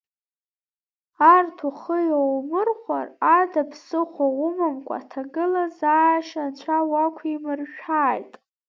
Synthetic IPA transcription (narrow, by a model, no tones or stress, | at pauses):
artʰuχəjowmɨrχʷaradapʰsɨχʷaʁʷʊmamkʷʼa̰tʰaɡɨlazaːʃat͡ɕʷʰawakʷʰimɨrʃᶣaːjtʼ